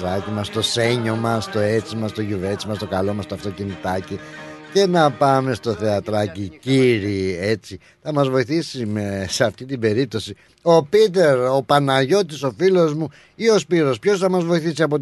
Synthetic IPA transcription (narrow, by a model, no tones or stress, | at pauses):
ɐcimɐst̪o̞se̞ɲo̞mɐst̪o̞et͡simɐst̪o̞ʝuve̞t͡simɐst̪okɐlo̞mɐst̪oɐft̪o̞cinit̪ɐcice̞nɐpɐme̞st̪o̞θe̞ɐt̪ɾɐciciɾie̞t͡si | θɐmɐzvo̞iθisimeseɐft̪it̪ibe̞ɾip̚t̪o̞si | o̞pit̪e̞ɾo̞pɐnɐʝo̞t̪iso̞filo̞zmu | io̞spiɾo̞spço̞sθɐmɐzvoiθisiɐpo̞